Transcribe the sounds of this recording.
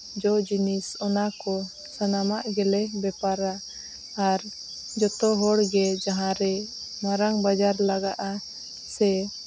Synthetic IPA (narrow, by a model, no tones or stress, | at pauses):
d͡ʒɔd͡ʒinisɔnakɔ | sanamaʔɡɛlɛbɛpaɾaː | ɾ | d͡ʒɔt̪ɔɦɔɽɡɛd͡ʒaɦãɾɛnaɾaŋbad͡ʒaɾlaɡaʔa | sɛ